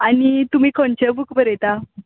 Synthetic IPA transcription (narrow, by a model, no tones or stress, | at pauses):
anit̪umiːkʰõnt͡ɕebukbəɾet̪a